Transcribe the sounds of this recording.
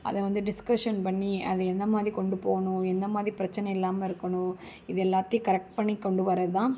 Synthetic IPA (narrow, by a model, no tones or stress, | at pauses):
ɐ̰ðɐʋɐnd̪ɯɖɪskɐʂɐnpɐɳːiɐðɛɛnd̪ɐmaːd̪ɾikɔɳɖɯpoːɣɐnũɛnd̪ɐmaːd̪ɾipɪɾɐt͡ʃːɐnɛɛlːaːmɐɪɾɯkːɐɳũɪðɛlːaːt̪ːijkɐɾɛk̚ʈ̚pɐɳːikːɔɳɖɯʋɐɾɐðɯt̪ãː